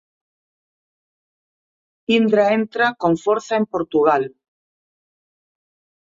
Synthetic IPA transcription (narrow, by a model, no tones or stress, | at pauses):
ind̪ɾaent̪ɾakõɱfoɾθaempoɾt̪uɣal